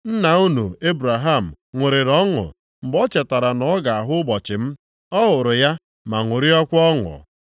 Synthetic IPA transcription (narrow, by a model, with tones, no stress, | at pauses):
n̩˦na˨u˦nu˨e˦bɾa˨ɦa˦˨m̩˨ | ŋʷʊ˨ɾe˨ɾɔ˦ŋʊ̰˨ | m̩˨bɔ˦t͡ʃɛ˨ta˨ɾa˨nɔ˨˦ɡa˨a˨ɦʊ˦ʊ˦bɔ˨t͡ʃɪ˨m̩˦ | ɔ˦ɦʊ˨ɾʊ˨ja˦ | ma˨ŋʷʊ˨ɾi˦ɔ˦kʷɔ˦ŋʊ̰˨